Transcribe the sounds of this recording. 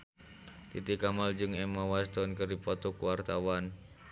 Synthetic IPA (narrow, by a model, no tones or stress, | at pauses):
t̪it̪ikamald͡ʒɨŋɛmawast̪ɔnkərdipɔt̪ɔkuwart̪awan